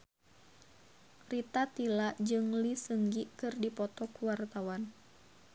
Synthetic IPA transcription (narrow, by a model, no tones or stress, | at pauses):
rit̪at̪ilaʔd͡ʒɨŋlisəŋɡikɨrdipɔt̪ɔkuwart̪awan